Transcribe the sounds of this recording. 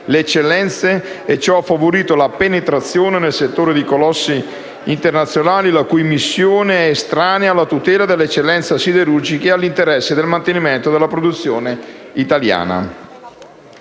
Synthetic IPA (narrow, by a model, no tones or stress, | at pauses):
leːt͡ʃːelːɛnt̪seː | t͡ʃːɔafːavoɾiːt̪olapenet̪ɾat̪sːjoːnenelset̪ːoːɾed̪ikolɔsːi | int̪ernat̪sjonaːlilakujmisːjoːneɛest̪ɾaːnealːat̪ut̪ɛːlad̪elːet͡ʃːelːɛnt̪sasid̪eɾurd͡ʒikealːint̪eɾɛsːed̪elmant̪eniment̪od̪elːapɾod̪ut̪sːjoːneit̪alja̰ːna̰